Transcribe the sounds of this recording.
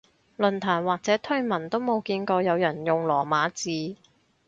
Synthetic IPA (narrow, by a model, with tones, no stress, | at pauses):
lɵ˨˩nt̪ʰaː˨˩nwaː˨k̚t͡sɛː˨˥t̪ʰɵ˥ɥmɐ˨˩nt̪o˥wmo˨˧wkiː˧nkɔː˧jɐ˨˧wjɐ˨˩njʊ˨ŋlɔː˨˩maː˨˧˥t͡siː˨˧